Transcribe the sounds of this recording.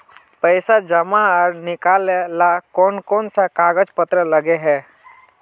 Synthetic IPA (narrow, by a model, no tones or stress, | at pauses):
pəɪsad͡ʒəmaɔːɾnɪkaːlelakɔːnkɔːnsakaːɡəd͡ʒpət̪ɾələɡeɦɛː